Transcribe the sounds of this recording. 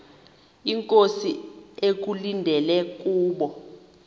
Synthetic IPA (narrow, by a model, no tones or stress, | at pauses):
iŋkʼosiek̬ulindʱɛlɛk̬ʼuːɓɔ